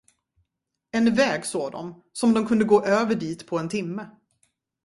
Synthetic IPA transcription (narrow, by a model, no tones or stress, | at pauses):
ɛnvɛːɡsoːɡd̪ɔ̰m | sɔmd̪ɔmkʰɵnd̪əɡoːʔøːvəɖiːt̪pʰɔɛnt̪ʰɪmːə